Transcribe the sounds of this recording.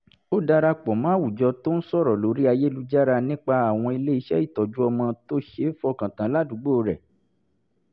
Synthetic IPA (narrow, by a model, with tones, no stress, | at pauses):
o˦da˧ɾa˧k͡pɔ˨mã˨˦wu˨d͡ʒɔ˧to˦n̩˦sɔ˦˨ɾɔ˨lo˨˦ɾi˦a˧je˦lu˧d͡ʒa˦ɾa˧nĩ˦k͡pa˧a˦˨w̃ɔ̃˧i˧le˦i˧ʃɛ̰˦i˦˨tɔ˨d͡ʒu˦ɔ˧mɔ̃˧to˦ʃe˦fɔ˦kã˨tã˨˦la˦du˨˦ɡ͡bo˦˧ɾɛ˨